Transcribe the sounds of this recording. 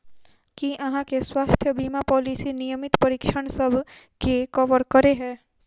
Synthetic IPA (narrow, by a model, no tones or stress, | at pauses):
kiʔɐɦãkeswaːst̪ʰjəbiːmapɔːliːsinijəmɪt̪pɐɾɪkʃʰəɽ̃səbʱkekɔʋəɾkəɾeɦɛ̃ː